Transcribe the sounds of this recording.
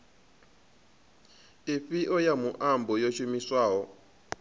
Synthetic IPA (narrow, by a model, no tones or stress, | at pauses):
ifiʔɔjamuʔambɔjoʃumiswaːɦɔ